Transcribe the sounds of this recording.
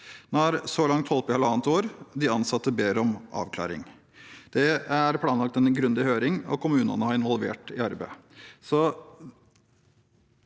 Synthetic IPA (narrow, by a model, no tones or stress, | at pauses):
nɑɾsɔlɑŋt̪hɔlpɪhɛləɑːnt̪oːɾd̪ɪɑnsɑt̪ːəbeːɾɔmʔɑ̰ːʋkʰlɑ̰ːɾɪ̰ŋ | d̪̥ɛæɾpʰlɑːnlɑkt̪ɛnɡɾʉnd̪ɪhøːɾɪŋɔ̰kʊmʉːnə̰nəhɑɾɪnʋɔlʋḛːʈɪɑɾbæɪsɔ